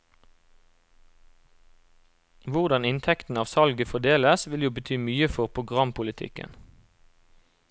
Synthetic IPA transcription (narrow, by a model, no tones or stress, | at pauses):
ʋʊʁd̪ɑnɪnt̪ʰɛkt̪n̩ɑːʋsɑlɡəfɔd̪eːləsʋɪljuːbət̪ʰyːmyːəfɔʁpʰʁʊɡʁɑmpʰʊlɪt̪ʰɪ̰kə̰n